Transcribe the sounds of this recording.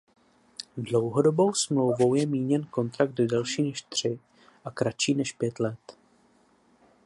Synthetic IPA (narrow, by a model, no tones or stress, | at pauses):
dlo̞wɦo̞do̞bo̞wsmlo̞wvowjɛmiːɲɛnko̞nt̪ɾak̚t̪dɛlʃiːnɛʃt̪r̝̥ɪ | ʔakɾat͡ʃiːnɛʃpjɛt̪lɛt̪